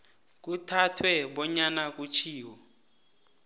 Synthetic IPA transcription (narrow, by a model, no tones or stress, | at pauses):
k̬utʰatʰwɛɓɔɲanak̬ʼut͡ʃʰiːwɔ